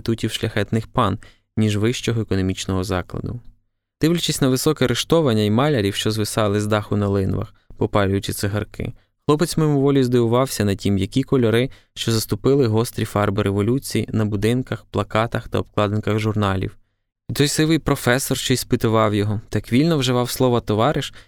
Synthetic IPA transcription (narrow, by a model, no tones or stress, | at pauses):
t̪utʲiwʃlʲɐxɛt̪nɪxpɑn | nʲiʒʋɪʃt͡ʃɔɦɔekɔnɔmʲit͡ʃnɔɦɔzɑklˠɐ̰d̪ʊ̰ | d̪̥ɪwlʲʊt͡ʃɪsʲnɐʋɪsɔkɛɐɾeʃt̪ɔʋɐnʲːɐimɑlʲɐɾʲiwʃt͡ʃɔzʋɪsɑlˠɪzd̪ɑxʊnɐlˠɪnʋɐ̰x | pɔpɑlʲʊjʊt͡ʃɪt̪seɦɐrkʰɪ̰ | xlˠɔpet͡sʲmɔjmɔʋɔlʲizd̪ɪʋʊʋɑwsʲɐnɐtʲimjɐkʲikɔlʲɔɾɪ | ʃt͡ʃɔzɐst̪ʊpɪlˠɪɦɔst̪ɾʲifɑrbɪɾʔeʋɔlʲut͡sʲijḭnɐbʊd̪ɪnkɐxplˠɐkɑt̪ɐxt̪ɐɔb̚klˠɑd̪enkɐɣʒʊrnɑlʲḭw | it̪ɔjsɪʋɪjpɾɔfɛsːɔrʃt͡ʃɔispɪt̪ʊʋɑwjɔɦɔt̪ɑkʋʲilʲnɔwʒɪʋɑwslˠɔʋɐt̪ɔʋɑɾɪʃ